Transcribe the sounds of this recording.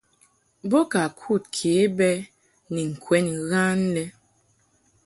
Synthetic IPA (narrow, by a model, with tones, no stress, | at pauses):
bɔ˦ka˨kʰu˦˨t̚kʰe˨˦bɛ˦ | ni˨ŋ̩˨kʰwɛ˦nɣa˦n˦lɛ˦